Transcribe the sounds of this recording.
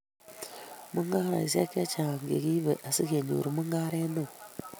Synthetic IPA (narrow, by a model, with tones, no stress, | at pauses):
mu˦ŋɡa˦ɾa̰˨i˨s̬e˦ke˦t͡ʃa˨ŋɡḛ˨ɡi˦bḛ˨ʔa˨si˦ɡe˨ɲṵ˨ɾu˨mu˦ŋɡa˦ɾe˦no˦˨